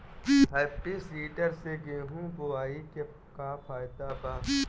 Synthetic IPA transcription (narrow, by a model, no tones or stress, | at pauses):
ɦɛːpːisiːʈəɾseɡeːɦũːboaːike | kafʰaːɪd̪abaː